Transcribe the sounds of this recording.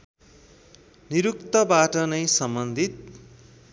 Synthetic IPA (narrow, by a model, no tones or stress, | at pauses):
niɾukt̪ʌbaʈʌnʌjsʌmbʌnd̪ʱit̪̚